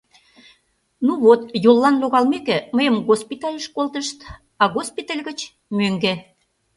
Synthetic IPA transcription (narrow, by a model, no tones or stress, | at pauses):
nuβot̪jolːɑnloɣɑlmekĕməjəmɣospit̪ɑlʲəʃkolt̪əʃt̪ | ɑɣospit̪əlʲɣət͡ɕ | møŋɡĕ